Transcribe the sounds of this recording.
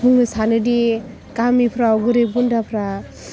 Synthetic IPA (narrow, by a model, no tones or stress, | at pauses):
uŋɯsanɯde | kamipʰɾaɔɡuɾebundapʰɾa